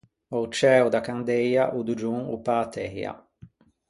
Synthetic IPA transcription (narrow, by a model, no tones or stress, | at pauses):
ɔwt͡ʃɛːwd̪akand̪ɛjaʔud̪ud͡ʒuŋṵpaːt̪ʰɛja̰